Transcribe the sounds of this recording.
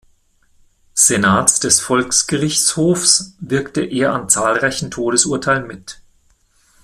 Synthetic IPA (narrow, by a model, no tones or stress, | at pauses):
z̥enaːtsd̥ɛsfɔlksɡ̥əʁɪçt͡shoːfsvɪɐktəʔeːɐant͡saːlʁaɪçn̩tʰoːɾəsʊɐtʰaɪlənmɪt